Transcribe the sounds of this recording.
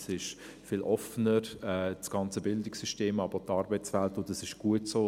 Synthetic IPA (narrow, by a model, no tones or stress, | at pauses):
sɪʃfɪlʔɔfənəɾɛːsɡ̥ɑnt͡səbɪldɪksyʃteːmɑb̥tɑːɾbəɪt͡svɛltʊndɑsɪʃɡ̥uətsoː